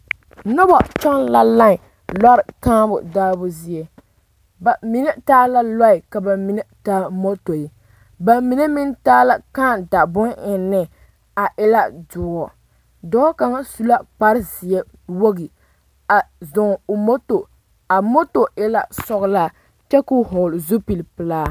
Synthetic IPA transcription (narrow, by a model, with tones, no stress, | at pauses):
nɔ˦bɔ˨t͡ʃɔ˦ŋla˦la˦ŋ˨ | la˦ɾɪ˨kaː˦bʊ̰˨daː˦bʊ˦zi˦ɛ˦˨ | ba˨mi˦nɛ˦taː˦la˦lɔ˦ɪ˨ka˨ba˨mi˨nɛ˦taː˦mo˦to˨i˨ | ba˨mi˨nɛ˦mi˦ntaː˦la˦kaː˦da˨bʊ˦nʔɪ˨nːɪ˦ | a˨ʔɪ˦la˦dʊ˨ɡɔ˨ | dɔː˦ka˨ŋa˦su˦la˦k͡pa˦ɾɪ˦zi˨jɛ˦ | wo˦ɡi˨ | a˨zʊ˨ŋo˨mo˦to˨ | a˨mo˦to˨ɪ˦la˨sɔ˦ɣla˦ | t͡ʃɛ˦kʊ˦ɦoː˨lzu˦pi˨lpɨ˨laː˦